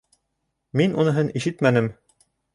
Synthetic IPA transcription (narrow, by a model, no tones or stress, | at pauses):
minunɤ̆ɦɤnʔiʃɘt̪mænɘm